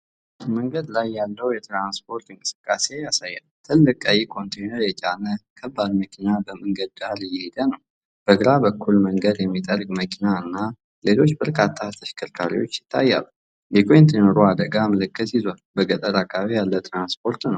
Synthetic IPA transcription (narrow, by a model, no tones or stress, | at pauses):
məŋɡəd̪lajːalːəwjɛt̪ɾanspʰo̞ɾt̪ɨŋkʼɨ̥sɨ̥kʼːase̞jasajːalt̪ʰɨlːɨkʼajikʰo̞nt̪ʰenəɾjɛt͡ʃʼanəkʰəbːad̪məkʰinabəməŋɡəd̪̚ɡaɾjɛhed̪ənəw | b̥əɡəɾabəkʰːulməŋɡəd̪jɛmːit̪ʼərɡʼməkʰinaɨnːa | le̞lo̞t͡ʃːbəɾkʰat̪ʰːat̪ʰəʃkʰɨɾkʰaɾḭwot͡ʃːjɪ̥t̪ʰːajːa̰lː | bɛkʰʷont̪ʰenəɾuad̪əɡaməlɨkʰːət̪jizwalbəɡʼət̪ʼəɾakʼaβijalːəwt̪ʰɾanspʰo̞ɾt̪nəw